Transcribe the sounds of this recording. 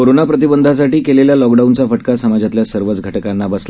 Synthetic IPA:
oɾonapɾət̪̬ibənd̪ʱas̬aʈiːkeleljalɔkɖaunt͡safəʈ̚kasəmad͡zat̪ljasəɾʋət͡sɡʱəʈkanːabəsl

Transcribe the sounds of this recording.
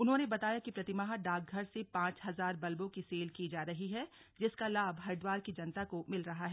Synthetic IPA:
ʊnɦõːnebɐt̪aːjakipɾɐt̪ɪmaɦaɖaːɡ̚ɡʱɐɾsepãːt͡ʃɦɐzaːɾbɐlbõkiseːlkid͡ʒaːɾɐɦiɦɛ | d͡ʒɪskalaːbɦɐɾd̪waːɾkid͡ʒɐnt̪akomɪlɾɐɦaɦɛː

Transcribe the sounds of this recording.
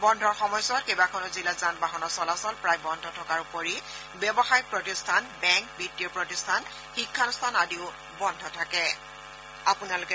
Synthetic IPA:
bɔndʱɔɹxɔmɔjsɔt̚kejbakʰɔnɔzilazanbaɦɔnɔsɔlasɔlpɹajbɔndʱɔtʰɔkaɹupoɹi | bɛbɔxaj̚pɹɔtistʰanbɛŋk̚bidiɔpɹɔtistʰan | xikʰːanstʰanadiʊ | bɔndʱɔtʰakɛ | apʊnalʊkɛ

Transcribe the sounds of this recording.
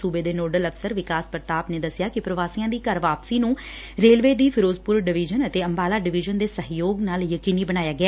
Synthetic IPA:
suːbeːd̪eːnoːɖələfʰsəɾʋɪkaːspɾət̪aːpneːd̪əsɪjaːkɪpɾəʋaːsiːãːd̪iːkəɾʋaːpsiːnũː | ɾeːlʋeːd̪iːpʰɪɾoːzpʊɾɖɪʋɪd͡ʒənət̪eːəmbaːlaːɖɪʋɪʒənd̪eːsəɦjoːɡnaːljəkiːniːbəñaːjaːɡɪɛː

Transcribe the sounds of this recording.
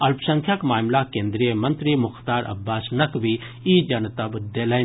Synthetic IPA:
ɐlpʰsɐŋkʰjakmaːmlakeːnd̪ɾijəmɐnt̪ɾimʊxt̪aːɾʔɐ̰bːaːsnɐkbʱi | id͡ʒɐnt̪ɐbd̪elə

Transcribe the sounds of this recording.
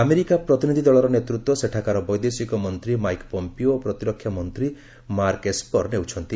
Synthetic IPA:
ameɾikapɾɔt̪inid̪ʱid̪ɔɭɔɾɔnet̪ɾut̪wɔseʈʰakaɾɔbɔjd̪esikɔmɔnt̪ɾimajkpɔmpioopɾɔt̪iɾɔkʰːjamɔnt̪ɾi | maɾkespɔɾnewt͡ʃʰɔnt̪i

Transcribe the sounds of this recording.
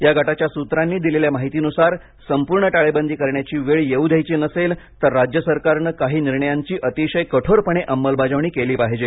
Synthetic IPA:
jaɡʱaʈat͡ɕjasut̪ɾanːiːd̪ileljamaɦit̪iːnusaɾ | səmpuɾɳəʈaɭebənd̪ʱiːkəɾɳjat͡ɕiːʋeɭjeud̪ʱjajt͡ɕinəselt̪əɾːad͡ʑjəsəɾkaɾɳəkaɦiːniɾɳəjaɲt͡ɕiːʔət̪iɕəjkəʈʰoɾpəɳ̃eʔəmːəlbad͡ʑəʋɳ̃iːkeliːpaɦed͡ʑe

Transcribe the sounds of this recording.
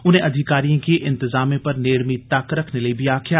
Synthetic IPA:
ʊn̤ẽʔɐd̪ʱɪkaːɾijõkʰeːʔɪ̃nt̪ɪzaːmẽpɐɾneːɽmit̪aːkɾɐkʰnelɐibʱiaːkʰijaː

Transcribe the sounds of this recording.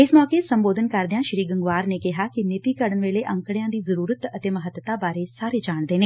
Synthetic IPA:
ɪsmɔːkeːsəmboːd̪ənkəɾd̪jãːʃɾiːɡəŋɡʋaːɾneːkɪɦaːkɪnɪt̪iːkəɽənʋeːleːʔə̃ŋkɽejãːd̪iːzəɾuːɾət̪ət̪eːməɦət̪ːət̪aːbaːɾeːsaːɾeːd͡ʒaːɳd̪eːneː

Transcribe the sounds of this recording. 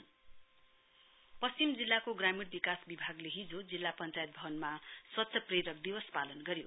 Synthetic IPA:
pʌst͡simd͡zilːakoɡramirbikasbibʱaɡleɦid͡zod͡zilːapʌnt͡sajt̪̚bʱʌʌnmaswʌt̪sʰʌpreɾʌk̚d̪ibʌspalʌnɡʌɾijo

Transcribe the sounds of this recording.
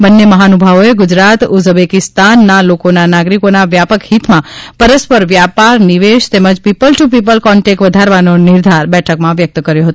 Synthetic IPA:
bənːeməɦanubʱaʋoeɡʊd͡ʒɾat̪uzbekɪst̪anːalokonanaɡɾikonaʋjapəkhit̪mãpəɾəspəɾʋjapaɾniʋeʃt̪eməd͡ʒpipəlʈup̬ipəlkɔɳʈek̚ʈʋəd̪ʱaɾʋanonɪɾd̪ʱaɾbɛʈʰəkmãʋjək̚t̪kəɾjõɦət̪o

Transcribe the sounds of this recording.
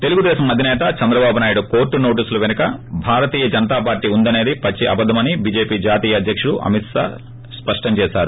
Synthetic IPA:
t̪e̞luɡud̪ɛːsɐmɐd̪ʱinɛːt̪ɐt͡ʃɐnd̪ɾɐbaːbʱunaːjuɽukoːɾʈːuno̞ːʈ̬iːsuluʋenɐkɐbʱaːɾɐt̪iːjɐd͡ʒɐnɐt̪aːp̬aːɾʈːiːund̪ɐne̞ːd̪ipɐt͡ʃːiʔɐ̰bɐd̪ʱːɐmɐnibiːd͡ʒe̞ːpiːd͡ʒaːt̪iːjɐd̪ʱjɐkʂuɽuʔɐ̰mit̪sa̰ː | spɐʂʈɐmt͡ʃɛːʃaːɾu

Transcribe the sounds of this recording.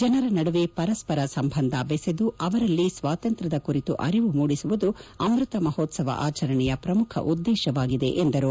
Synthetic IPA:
d͡ʒɐnɐɾɐnɐɽuʋepɐɾɐspɐɾɐsɐmbʱɐnd̪ʱɐbesed̪uɐʋɐɾɐlːisʋaːt̪ɐnt̪ɾɐd̪ɐkuɾit̪uʔɐ̰ɾiʋumuːɽisuʋud̪uɐmɾut̪ɐmɐhoːt̪sɐʋɐ̰ʔa̰ːt͡ʃɐɾɐɳɛjɐpɾɐmukʰɐ̰ʔud̪ːeːʃɐʋaːɡid̪e̞ʔend̪ɐɾu

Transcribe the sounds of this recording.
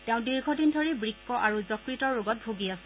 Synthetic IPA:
teʊ̃diɹɡʱɔdindʱɔɹibɹikːɔʔaɹuzɔkɹitɔɹɹʊɡɔt̚bʱoɡiasɛ

